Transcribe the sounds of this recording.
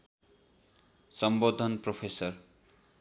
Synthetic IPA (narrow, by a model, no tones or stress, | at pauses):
sʌmbod̪ʱːʌnpropʰesʌr